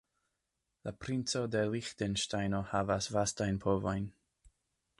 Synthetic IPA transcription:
lapʰɾɪnsodɛlixtɛnʃtajnohavasvastajnpʰɔvojn

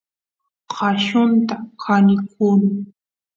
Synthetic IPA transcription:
qɑʃʊnt̪akʰanɪkʰʊnɪŋ

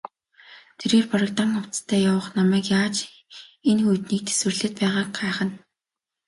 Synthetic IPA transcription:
t̪ʰeɾeːrpɔɾʲə̆k̚t̪aŋʊw̥t͡st̪ʰæːjawə̆χnamæːkjaːt͡ɕ | enxujt̪niːk̚t̪ʰe̥swɘ̆rɮĕt̪̚pæːʁaːk̚ɢaːχə̆n

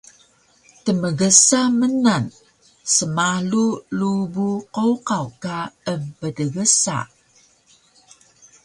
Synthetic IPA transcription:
təməɡəsamənan | səmalulubuqowqawkaəmpədəɡəsa̰

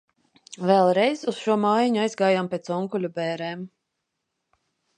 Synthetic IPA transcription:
vɛlˠɾɛjzusʃuɔmaːjaɲuajzɡaːjampʲɛt̪sɔŋkulʲubɛːɾɛːm

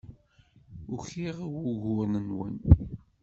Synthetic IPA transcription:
ʊçiʁwuʝʊɾnənwə̰n

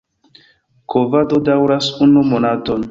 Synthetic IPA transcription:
kʰovadodawɾasunumonaton

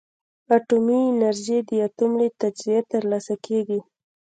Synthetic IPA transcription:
aʈuminaɾʒed̪əat̪umlet̪ad͡ʒzijet̪əɾlasakʰeɡi

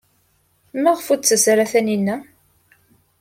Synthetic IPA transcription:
mæʁəfut͡sːəsɾaθæninːæ

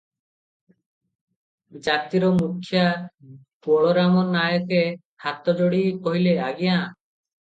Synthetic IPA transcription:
d͡ʒat̪iɾɔmukʰːjapuɔɭɔɾamɔnːajɔke | hat̪ɔd͡ʒoɽikoɦileaɡijã

